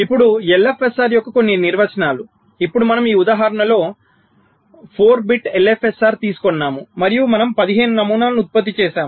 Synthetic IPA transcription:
ipːuɽuelefʰesaːɾjɔkːɐko̞nːiniɾʋɐt͡ʃɐnaːlu | ipːuɽumɐnɐmiːud̪aːɦaːɾɐɳɐlo̞ː | pʰoːɾbiʈelepʰesaːɾt̪iːsu̥kɔnːaːmumɐɾijumɐnɐmpɐd̪iɦe̞ːnunɐmuːnaːlɐnut̪̚pɐt̪̬ːit͡ʃɛːʃaːm

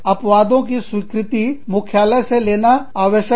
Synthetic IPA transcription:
ɐpʋaːd̪õkiswiːkɾɪt̪imʊkʰjaːləseleːnaaːʋəʃə

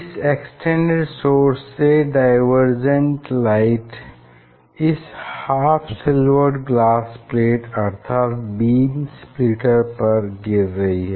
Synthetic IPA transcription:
ɪseksʈʰẽɳɖeɖsoːɾsːeɖaɪʋəɾd͡ʒə̃ɳʈlaɪʈ | ɪshaːfʰsɪləɾɖɡlaːspleːʈɐɾt̪ʰaːt̪biːmspliʈəɾpɐɾɡɪɾːɐɦiɦɛː

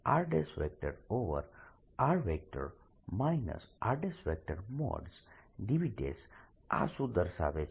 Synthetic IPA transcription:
aɾɖesɾek̚ʈeɖoʋə̰ɾ | aɾʋek̚ʈə̰ɖ | majnə̰sʔaɾɖesʋek̚ʈəɖmɔ̰ɖsɖiʋiɖḛs | a̰sud̪əɾsa̰ʋe

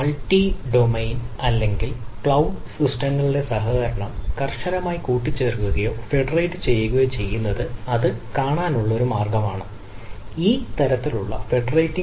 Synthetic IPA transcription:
ɐɭʈːiɖomɐjnɐlːe̞ŋɡilkɭɐwɖsisʈɐŋːɐɭuɽe̞sɐɦɐɣɐɾɐɳɐmkɐrʂɐlɐmaːjikuːʈːit͡ɕːeːrkuɣɐjo̞ːfe̞ɖɐrɐjʈːɨt͡ɕe̞jːuɣɐjoːt͡ɕe̞jːunːɐðɨɐðɨkaːɳaːnuɭːɐo̞ɾumaːrɡɐmaːɳɨ | iːt̪ɐɾɐt̪ːiluɭːɐ̰fe̞ɖɐrɐjtːi

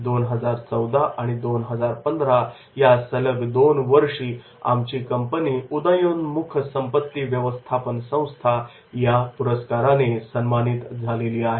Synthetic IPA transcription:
d̪onɦəd͡zaɾt͡səwd̪aʔaɽ̃id̪onɦəd͡zaɾpənd̪ʱɾa | jasələɡd̪onʋəɾʂiː | a̰mt͡ɕiːkəmpəniːud̪əjunmukʰəsəmpət̪ːiʋjəʋəst̪ʰapənsə̃w̃st̪ʰa | japuɾəskaɾanesənmanit̪d͡zʱaleliːaɦe

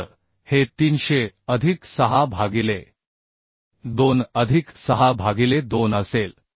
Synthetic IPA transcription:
ɾ | het̪iːnɕeəd̪ʱiksəɦabʱaɡile | d̪onəd̪ʱiksəɦabʱaɡiled̪onəsel

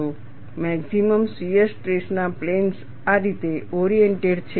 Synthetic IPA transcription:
o | mɛksiməmsiəɾsʈɾesnaplens | aɾit̪eʔɔɾijeɳʈeɖt͡ʃʰe

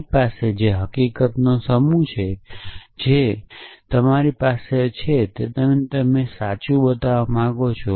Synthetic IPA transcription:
pased͡ʒeɦəkikət̪nosəmut͡ʃʰed͡ʒet̪əmaɾipaset͡ʃʰet̪et̪əmt̪əmesat͡ʃũbət̪aʋamãɡot͡ʃʰo

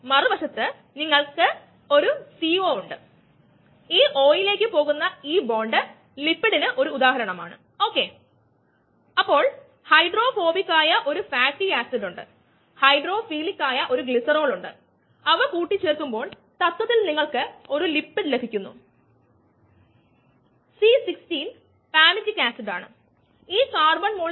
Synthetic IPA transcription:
mɐribɐʂɐt̪ːɨ | niŋːɐɭkɨ | o̞ɾusiːo̞ːuɳɖɨ | iːʔo̞ːjile̞ːkːɨpo̞ːɣunːɐiːbo̞ːɳɖɨ | lipːiɽinɨʔo̞ɾuːd̪aːɦɐɾɐɳɐma̰ːɳɨ̰ | o̞ːkːe̞ | ɐpːo̞ːɭ | hɐjɖro̞ːfo̞ːbikːaːjɐʔo̞ɾufaːk̚ʈːiaːsɐduɳɖɨ̰ | hɐjɖro̞ːfiːlikːaːjɐʔo̞ɾuɡɭisɐro̞ːɭuɳɖɨ̰ | ɐʋɐkuːʈːit͡ɕːeːrk̪umbo̞ːɭ | t̪ɐt̪wɐt̪ːilniŋːɐɭkɨo̞ɾulipːiɽlebʱikʲːunːṵ | sisikstiːn | paːmid͡ʑikːaːsiɖa̰ːɳɨ̰ | iːkaːrbɐɳmuːɭ

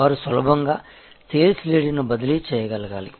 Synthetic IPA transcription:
aːɾusʋɐlɐbʱɐŋɡaː | seːlsleːɽinubɐd̪ilit͡ʃɛːjɐɡɐlɐɡaːli

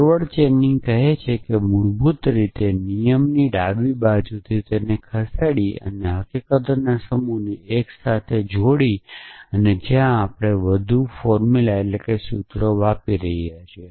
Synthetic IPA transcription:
ʋəɽt͡ʃenĩŋɡkəɦet͡ʃʰekemud͡ʒbut̪ɾit̪enijəmniɖaʋibad͡ʒut̪ʰit̪enekʰəsaɽiə̰neɦəkikət̪ənasəmunieksat̪ʰed͡ʒʱoɽiəned͡ʒjãːpɽ̃eʋəd̪ʱufɔɾmulaetlekesut̪ɾoʋapiɾəɦiat͡ʃʰe

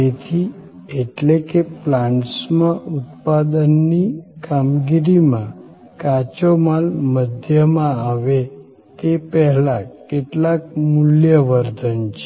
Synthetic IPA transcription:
et̪ʰi | eʈlekeplãɳʈsmaut̪pad̪ənːikamɡiɾimã | kat͡ɕɔmalməd̪ʱjəmãaʋe | t̪epɛɦlakːeʈlak̚muljəʋəɾd̪ʱənt͡ɕe̥

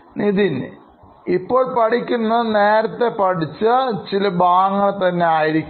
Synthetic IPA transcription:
niðin | ipːo̞ːɭpɐʈikʲːunːɐɨneːɾɐt̪ːe̞pɐʈit͡ɕːɐt͡ɕilɐbaːŋːɐɭt̪ɐnːe̞aːjiɾikʲː

